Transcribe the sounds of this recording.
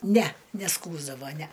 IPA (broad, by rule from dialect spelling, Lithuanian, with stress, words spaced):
nʲæ nʲɛˈskuːzdɐʋoː nʲæ